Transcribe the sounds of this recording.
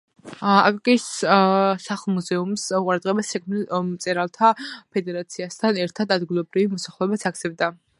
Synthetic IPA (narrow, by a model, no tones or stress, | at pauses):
a̰fikʼis | saχlˠmuzɛumsqʼuɾad̪ʁɛbasɛkʰmnilmt̪sʼɛɾalˠt̪ʰapʰɛd̪ɛɾat̪sʰiast̪ʰanɛɾt̪ʰad̪ad̪ɡilˠɔbɾivimɔsaχlˠɛɛbat̪sʰaɡt̪sʰɛbd̪a